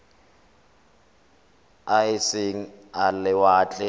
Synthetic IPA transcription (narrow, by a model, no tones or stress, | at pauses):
aɪseŋ̩alɪwaːt͡ɬʼɛ